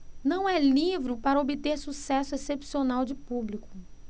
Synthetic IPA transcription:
nɐ̃w̃ɛlivɾɪpaɾɐobɪt̪eɾsusɛsʊesepsionawd͡ʒɪpublikʊ

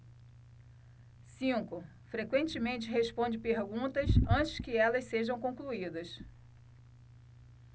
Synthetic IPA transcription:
sĩkʊ | fɾekwẽnt͡ʃɪmẽnt͡ʃɪɦeʃpõnd͡ʒɪpeɾɡũnt̪ɐsɐ̃t͡ʃɪ̥skɪɛlɐsseʒɐ̃w̃kõkluid̪ɐs

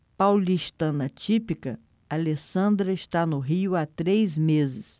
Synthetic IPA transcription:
pawliʃt̪ɐ̃nɐt͡ʃipikɐ | alesɐ̃nd̪ɾɐɪʃt̪anʊɦiʊat̪ɾejzmezɪs

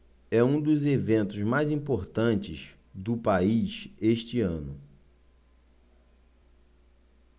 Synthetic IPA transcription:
ɛũd̪ʊzevẽnt̪ʊzmajzĩpoɾt̪ɐ̃nt͡ʃɪz | d̪ʊpaiseʃt͡ʃɪɐ̃nʊ

